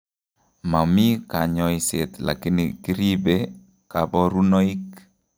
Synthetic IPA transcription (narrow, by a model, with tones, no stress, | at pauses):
ma˨mi˦ka˨ɲɔiset̪la̰˨ki˦niki˦ɾibe | ka˨bɔ˦ɾu˦nɔ˦ik̚